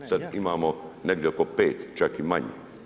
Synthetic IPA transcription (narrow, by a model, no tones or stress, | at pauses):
sad̪imaːmoneɡd̪jeokopeːt̪t͡ʃakimaɲḛ